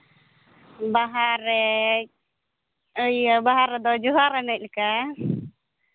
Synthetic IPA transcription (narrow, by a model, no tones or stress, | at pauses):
baɦaɾɛ | əjabaɦaɾɛd̪ɔd͡ʒuɦaɾɛnɛc̚lka